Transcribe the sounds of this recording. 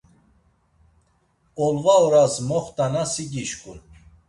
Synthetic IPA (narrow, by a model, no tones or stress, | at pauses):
ɔlvaɔɾasmɔχt̪ʼanasiɡiʃkʼun